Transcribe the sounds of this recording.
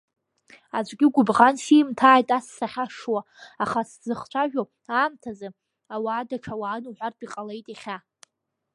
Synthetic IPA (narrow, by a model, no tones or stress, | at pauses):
ad͡ʒʷʼɡʲɪɡʷʊbʁansimtʰaːjtʼasːaχʲaʂwa | aχaszɨχt͡ʃʷʰaʒᶣo | aːmtʰazɨ | awaːdaʈ͡ʂʰawaːnuħʷarpʰʼiqʼale̞jtʼiχʲa